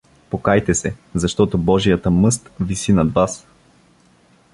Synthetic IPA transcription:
pokajt̪ɛsɛzɐʃt̪ɔt̪obɔʒijət̪əmɤst̪visinɐd̪vas

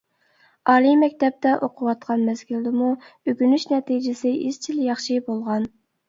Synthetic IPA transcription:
ɑːlˠimɛkʲt̪ɛp̚t̪ɛʔoqʰʊwɑt̪̚qʰɑnmɛsɡʲyld̪ɪmuøɡʲynyʃnɛt̪id͡ʒɪsɪʔist͡ʃʰiljɑχʃibolˠʁɑn

